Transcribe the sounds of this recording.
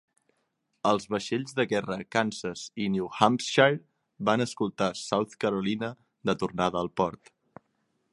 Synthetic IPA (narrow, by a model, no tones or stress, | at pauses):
əlˠzβəʃeʎzðəɣɛrəkansəziniuhamsʃa | banəskulˠt̪asawt̪kəɾulinə | d̪ət̪urnaðəːlˠpɔɾt̪